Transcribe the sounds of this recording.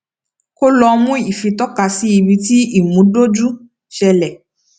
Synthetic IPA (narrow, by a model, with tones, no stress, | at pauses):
ko˦lɔ˧mũ˦i˨fi˧tɔ˦ka˧si˦i˧bi˧ti˦i˦˨mũ˨˦do˦d͡ʒu˦ | ʃɛ˧lɛ˨